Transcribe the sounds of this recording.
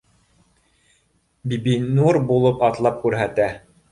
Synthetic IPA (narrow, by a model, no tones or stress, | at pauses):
bibinurbulˠɤpɑt̪lˠɑp̚kʉɾɦæt̪æ